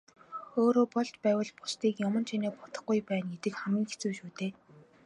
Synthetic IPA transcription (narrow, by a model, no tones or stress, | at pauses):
oːɾoːpɔɮt͡ɕpæːwə̆ɮpʊ̥st̪iːkjʊmə̆nt͡ɕʰineːpɔt̪ə̥̆χɡujpæːnɡet̪ɘ̆kχæmɡʲiːŋxet͡suːʃuːt̪eː